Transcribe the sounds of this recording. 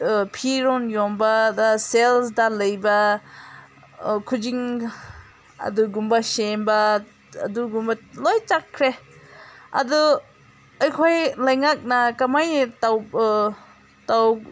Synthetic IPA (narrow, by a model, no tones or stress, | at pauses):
pʰiɾɔnjɔmbadaselsdaləjbɐ | kʰud͡ʒiŋ | ɐ̰duɡumbasemba̰ː | duɡumbalɔjt͡ʃakʰːɾe | a̰du | ajkʰɔjlajŋak̚nakamajtaw | taw